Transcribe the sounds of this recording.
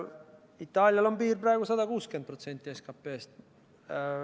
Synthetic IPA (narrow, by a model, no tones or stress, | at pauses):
it̪ːˑɑːlʲjɑlompiːrprɑeɡusɑd̪ɑkuːskend̪̚prot̪se̞nʲt̪ˑːieskɑpːeːst̪